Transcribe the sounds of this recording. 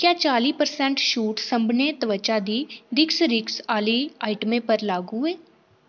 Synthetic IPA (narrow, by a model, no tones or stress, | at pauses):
kjãːt͡ʃaːliːpəɾsɛ̃ːɳʈʃuːʈsəmbneːt̪əʋət͡ʃaːd̪iːd̪ɪksɾɪksaːliːaːiʈəmẽːpəɾlaːɡuːeː